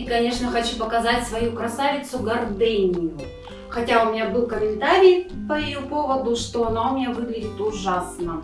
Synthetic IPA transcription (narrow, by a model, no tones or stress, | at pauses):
kɐnʲe̞ʂnəxɐt͡ɕupəkɐzatʲsvɐjukɾɐsavʲɪt̪sʊɡɐrd̪enʲɪjʊ | xɐtʲaʊmʲɪnʲabɨlˠkəmʲɪnt̪aɾʲɪjpəɪjupovəd̪ʊʂt̪oɐnaʊmʲnʲavɨɡlʲɪdʲɪt̪ʊʐasnə